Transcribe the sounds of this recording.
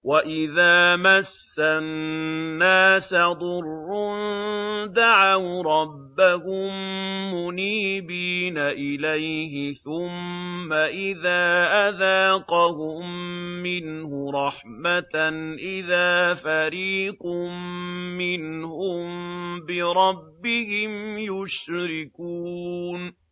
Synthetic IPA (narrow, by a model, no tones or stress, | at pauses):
waʔɪðaːmasːannːaːsad̪ˤʊrːʊnd̪aʕawɾˤɑbːahʊmːʊniːbiːnaʔɪlajɦɪθʊmːaʔɪðaːʔaðaːqɑhʊmːɪnhʊɾˤɑħ | mat̪nʔɪðaːfaɾiːqʊmːɪnhʊmbɪɾˤɑbːɪhɪmjʊʃɾɪkuːn